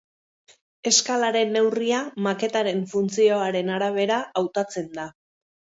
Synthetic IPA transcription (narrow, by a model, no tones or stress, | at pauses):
e̞skalaɾe̞nːe̞wriamake̞t̪aɾe̞ɱfunt͡sio̞aɾe̞naɾaβ̞e̞ɾaʔawt̪at͡se̞nd̪a